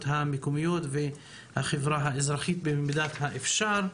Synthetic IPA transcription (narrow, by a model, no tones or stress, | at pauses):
t̪hamekomijot̪ve | haχevɾaɦaezɾaχit̪̚bemd̪at̪haʔefʃaɾ